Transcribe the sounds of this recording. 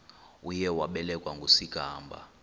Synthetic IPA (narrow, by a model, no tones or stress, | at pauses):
ujɛwaɓɛlɛkʼwaŋɡʱosiɡ̥ʱaːmbʱa̰